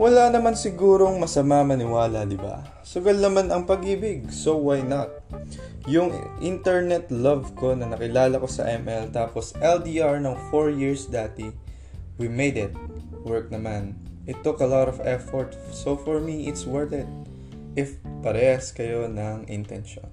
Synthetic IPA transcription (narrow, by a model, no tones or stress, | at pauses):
wɐlanɐmansɪɡuːɾo̞ŋmɐsɐmamɐnɪwaːlɐd̪ɪba̰ | sʊɡɐlnɐmanɐŋpɐɡiːbɪɡ̚sowajnɐt̪̚ | jʊŋʔɪ̰nt̪ɛɹnɛt̪lɐvko̞nɐnɐkɪlaːlɐkosɐ̰ʔɛmʔɛlt̪aːposʔɛld̪iʔaɹnoŋfoɹjiɹsd̪aːt̪ɪ | wimejd̪ɪt̪̚ | wɛɹk̚nɐmanʔɪt̪ːʊkɐlaɾɔvɛfɔɹt̪ | sofɔɹmiʔɪt̪swɛɹt̪ɛd̪̚ | ʔɪfpɐɾɛhɐskɐjo̞nɐŋʔɪ̰nt̪ɛ̰nʃo̰n